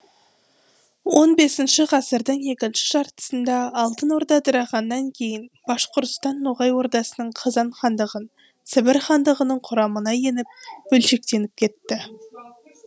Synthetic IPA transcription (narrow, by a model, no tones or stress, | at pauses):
wo̞nbe̞sɪnʃɪʁɑsəɾd̪əɴje̞kʲɪnʃɪ̥ʒɑɾt̪ə̥sənd̪ɑːlˠt̪ənwo̞ɾd̪ɑd̪əɾɑʁɑnːɑŋkʲʰe̞jɪnb̥ɑʃqoɾt̪ʊ̥st̪ɑnːoʁɑjwo̞ɾd̪ɑsənəɴqʰɑzɑɴχɑnd̪əʁən | sɪbɪɾχɑnd̪əʁənəɴqʰʊɾɑmənɑje̞nɪp̚bɵlʃe̞k̚t̪e̞nɪp̚kʲʰe̞t̪ːɪ